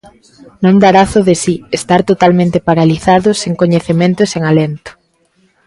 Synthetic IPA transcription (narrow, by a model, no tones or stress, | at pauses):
nõnd̪aɾaθʊðesiest̪aɾt̪ot̪almẽnt̪epaɾaliθaðʊseŋkoɲeθemẽnt̪ʊeseŋalent̪ʊ̥